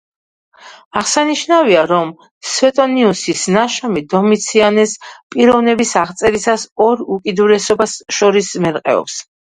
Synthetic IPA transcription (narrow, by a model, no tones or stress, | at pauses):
aʁsaniʃnaviaɾɔm | svɛt̪ʼɔniusisnaʃamid̪ɔmit̪sʰianɛspʼiɾɔvnɛbisaʁt̪sʼɛɾisasɔɾukʼid̪uɾɛsɔbasʃɔɾismɛɾqʼɛ̰ɔ̰ps